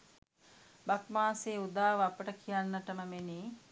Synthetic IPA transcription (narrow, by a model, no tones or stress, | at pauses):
bakmaːseːud̪aːʋəapəʈəkʰijanːəʈəməmeniː